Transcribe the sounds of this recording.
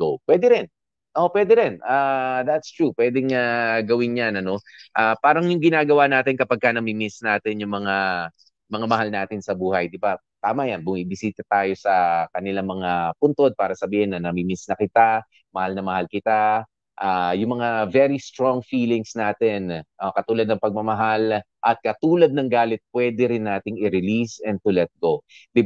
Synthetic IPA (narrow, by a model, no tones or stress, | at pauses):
opwɛd̪ɛɾɛn | ʔopwɛd̪ɛɾɛnʔad̪at̪st̪ɹupwɛd̪ɛŋaɡɐwɪnjanɐno̞ʔaːpaːɾɐŋjʊŋɡɪnaːɡɐwanaːt̪ɪnkɐpɐɡ̚kanɐmimɪsnaːt̪ɪnjʊŋmɐŋa | mɐŋamɐhalnaːt̪ɪnsɐbuːhɐjd̪ɪba | t̪aːmajanbʊmibɪsiːt̪ɐt̪aːjo̞sɐkɐnɪlaŋmɐŋapʊnt̪o̞d̪̚paːɾɐsɐbiːhɪnːɐnɐmimɪsnɐkɪt̪a | mɐhalnɐmɐhalkɪt̪a | ʔaːjʊŋmɐŋavɛɾist̪ɾoŋfiːlɪŋsnaːt̪ɛnʔokɐt̪uːlɐd̪̚nɐŋpɐɡ̚mɐmɐɦal | ʔɐt̪̚kɐt̪uːlɐd̪̚nɐŋɡaːlɛt̪̚pwɛd̪ɛɾɪnːaːt̪ɪŋɪɾɪlisɛnd̪̚t̪ʊlɛt̪̚ɡod̪ɪ